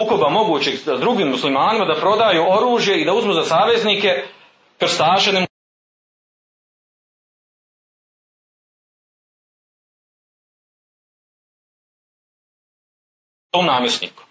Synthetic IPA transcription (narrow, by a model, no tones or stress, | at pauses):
ko̞bamo̞ɡuːt͡ɕeɡd̪ɾuɡiːmːuslimaːnimad̪apɾo̞d̪ajuo̞ɾuːʒje̞id̪auzmuːzasaːʋe̞znike̞ | kr̩st̪aːʒenem | omnaːmjesnḭːku̥